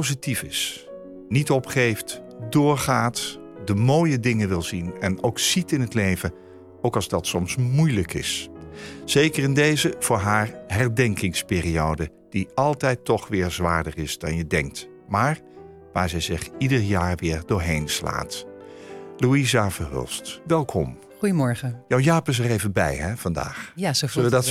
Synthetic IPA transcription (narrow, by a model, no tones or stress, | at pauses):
owzitifɪs | nitɔpχejft | dʊːɹχaːt | dəmoːjədɪŋəʋɪlˠzinɛnowksitɪnɦətlejvə | owkɑlˠzdɑtsɔmsmujləkɪ̰s | z̥ejkərɪndejzəv̥ʊːɹɦaːɹɦɛɹdɛŋkɪŋspɪːriowdə | d̥iɑlˠtɛjtɔχʋɪːɹzʋaːɹdərɪzdɑnjədɛŋk̚t | maːɹ | ʋaːɹzɛjzɪχidəɹjaːɹʋɪːɹdʊːɹɦejnsla̰ːt | luizavəɹɦø̰lˠstʋɛlˠkʰɔm | χujəmɔɹχəjawjaːpəs̬ərejvəbɛ̰jɦɛv̥ɑnda̰ːχasoədt